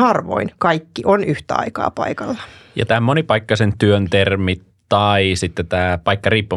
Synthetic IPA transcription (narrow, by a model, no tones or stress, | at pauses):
hɑrʋo̰inkɑikːiʔonyht̪æɑ̰ikɑ̰ːpɑ̰ikɑlːɑ̥jɑ̰t̪æːmmonipɑikːɑsent̪yønt̪ermit̪ːɑisit̪ːet̪æːpɑikːɑriːpːu